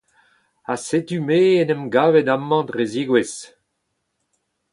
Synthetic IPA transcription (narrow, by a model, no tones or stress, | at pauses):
asetymeːenɛmɡaːvɛdamːɑ̃dʁeziɡwes